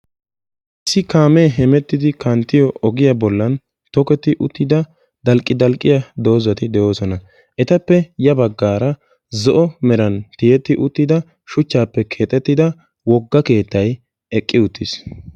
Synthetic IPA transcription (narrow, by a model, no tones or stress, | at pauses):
ɪsːɪkaːmeːɦɛmɛt̪ːɪd̪ɪkɐnt̪ːɪjɔɔɡɪjɐbɔlːɐn | t̪ɔkɛt̪ːɪʔʊt̪ːɪd̪ɐ | d̪ɐlkʼːɪd̪ɐlkʼːɪjɐd̪o̞ːzɐt̪ɪd̪ɛʔo̞ːsɔnɐ | ʔɛt̪ɐpːɛjɐbɐɡːaːɾɐ | zɔʔɔmɛɾɐnt̪ɪjɛt̪ːɪʔʊt̪ːɪd̪ɐ | ʃʊt͡ʃːaːpːɛkʰe̞ːt̪ʼːɛt̪ːɪd̪ɐ | wɔɡːɐke̞ːt̪ːɐj | ɛkʼːɪʊt̪ːɪs